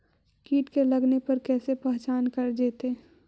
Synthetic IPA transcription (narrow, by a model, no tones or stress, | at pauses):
kiːʈkelɐɡnepɐɾkɛːsepɛɦt͡ʃaːnkɐɾd͡ʒ̪eːt̪eː